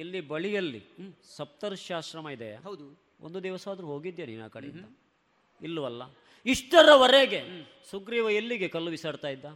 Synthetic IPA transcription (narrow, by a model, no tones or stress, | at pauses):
ilːibɐɭijɐlːḭsɐp̚t̪ɐɾuʃaːʃɾɐmɐid̪ɐjɐ̰ɦɐwd̪u | ond̪ud̪ɛːʋɐsaːd̪ɾuɦo̞ːɡid̪jonina̰ːkɐɽḛint̪ɐ | ilːuʋɐlːɐ | iʂʈɐɾɐʋɐɾeɡe̞ | suɡɾiʋɐelːiɡe̞kɐlːuʋisɐːɽt̪aːjid̪ːa